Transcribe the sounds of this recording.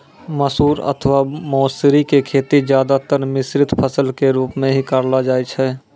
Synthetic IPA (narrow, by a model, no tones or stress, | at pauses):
məsuːɾə̰t̪ʰəʋamɔːsɾikekʰeːt̪id͡ʒjaːd̪at̪əɾmɪsɾɪt̪pʰəsəlkeɾuːpmẽɦikəɾlad͡ʒaːet͡ʃʰɛː